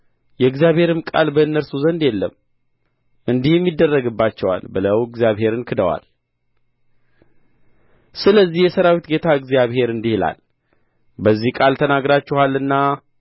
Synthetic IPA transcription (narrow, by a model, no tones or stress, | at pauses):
jɛɡzijaβhe̞ɾɨmkʼa̰lbəɨnːəɾsuzənd̪jɛlːəm | ʔɨnd̪ihjɛmːid̪ːərːəɡɨbːat͡ʃːɛwa̰lbɨləwɨɡzijaβhe̞ɾɨnkʰɨd̪əwa̰l | sɨləzːihjɛsəɾawit̪ɡe̞t̪ʰaɨɡzjaβhe̞ɾɨnd̪ihla̰l | bəzːihkʼalt̪ʰənaɡɾat͡ʃːɛhalːɨnːa